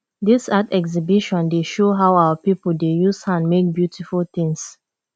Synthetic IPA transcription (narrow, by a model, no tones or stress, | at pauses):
disatɛɡzibiʃɔ̃ndeʃoɦaʊawəpipl̩dejushãnmek̚bjutʰifult̪ĩŋs